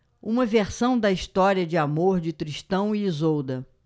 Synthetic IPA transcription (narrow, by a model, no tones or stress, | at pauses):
ũmɐveɾsɐ̃w̃d̪ɐiʃt̪ɔɾiɐd͡ʒɪamoɾd͡ʒɪt̪ɾiʃt̪ɐ̃w̃iizowd̪ɐ